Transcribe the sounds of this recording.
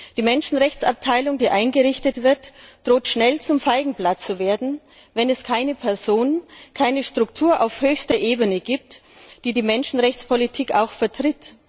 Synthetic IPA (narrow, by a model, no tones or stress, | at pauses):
d̥iːmɛnʃn̩ʁɛçt͡sa̰p̚tʰaɪlʊŋdiːʔaɪnɡəʁɪçtətv̥ɪɐtd̥ʁoːtʃnɛlt͡sʊmfaɪɡŋ̩blat͡st͡suveːɐdn̩ | vɛnɛskʰaɪnəpʰɛɐzoːnənkʰaɪnəʃtʁ̥ʊktʰuːɐʔa̰ʊfhøːçstɐʔeːbənəɡiːp̚td̥iːdiːmɛnʃn̩ʁɛçt͡spʰolitʰiːkaʊxfɛɐtʁ̥ɪt